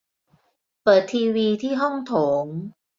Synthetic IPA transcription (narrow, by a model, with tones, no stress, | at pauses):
pɤː˨˩t̪ʰːiː˧wiː˧t̪ʰiː˥˩ɦɔ˥˩ŋt̪ʰoː˩˦ŋ